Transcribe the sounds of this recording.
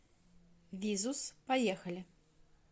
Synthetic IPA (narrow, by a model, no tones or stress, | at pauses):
vʲizuspajɛxɐlʲi